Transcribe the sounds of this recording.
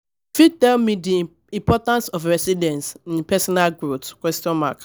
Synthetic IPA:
fitɛlmidi | ĩmpɔtãnsɔfɹɛsidɛ̃nsĩnpɛsɔnalɡɹotkwɛstɔ̃nma̰k

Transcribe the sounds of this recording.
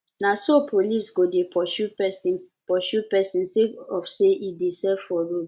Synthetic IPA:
nasopʰolisɡodepʰɔʃupɛsĩn | pɔʃupɛsĩnseɔfseʔidesɛvfɔɹod

